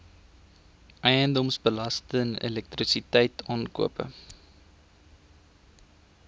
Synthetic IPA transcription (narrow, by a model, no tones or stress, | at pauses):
ʔɛjəndɔmsbəlɐstənḛlɛk̚trisitɛjtʰɑːnkṵəpə̰